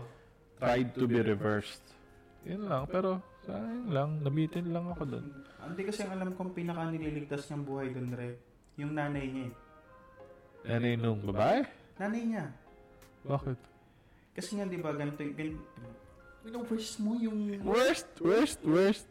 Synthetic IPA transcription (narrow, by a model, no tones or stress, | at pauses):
t̪ɾajd̪̚t̪ʊbiɾɛvɛɹst̪ | jʊnlɐŋpɛːɾo̞sɐʔaːhɪnlaŋnɐbiːt̪ɪnlɐŋɐkod̪o̰nʔɐnd̪ɛkɐsɛɐŋʔɐlamkoʔɐŋpiːnɐkɐnɪliːlɪɡ̚t̪asɲɐɐŋbuːhɐjd̪onɾɛ | jʊŋnaːnɐjɲaɛ | naːnɐjnʊŋbɐbaːʔɛ | naːnɐjɲa | baːkɛt̪ | kɐsɛŋad̪ɪbaɡɐnɪt̪oɡɐn | ɪnɐwɛɹst̪mojʊŋwɛɹst̪wɛɹst̪wɛɹst̪̚